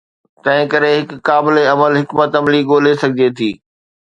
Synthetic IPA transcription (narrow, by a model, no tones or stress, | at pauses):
t̪ɐ̃ɦɪ̃kɐɾeɦɪkːaːbɪleɐməlɦɪkmət̪ɐmliɡoːlesɐɡʱɪd͡ʑet̪ʰiː